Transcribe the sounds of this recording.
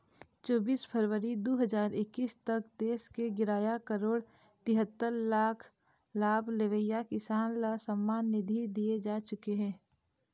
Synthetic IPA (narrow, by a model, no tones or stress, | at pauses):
t͡ʃoːbiːspʰəɾʋəɾid̪oːɦəzaːɾɪkːiːst̪ɐkd̪eːskeɡɪɾaːjakəɾoːɽ | t̪ɪɦət̪ːəɾlaːkʰ | laːbleʋəjakɪsaːnlasəmːaːnːɪd̪ʱid̪ied͡ʒaːt͡ʃʊkeɦɛ̃ː